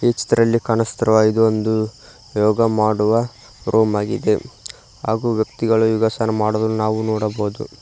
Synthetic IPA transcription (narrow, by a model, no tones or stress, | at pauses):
eːt͡ʃi̥t̪ɐɾɐlːikɐnɐst̪ɐɾɐʋaːjid̪uond̪u | jɔːɡɐmaːɽuʋɐ | ɾʔoːmaːɡid̪e̞ | ɦa̰ːɡuːʋjɐkt̪iɡɐɭujuɡasanɐmaːɽud̪ɐlunaːʋunɔːɽɐboːd̪ṵ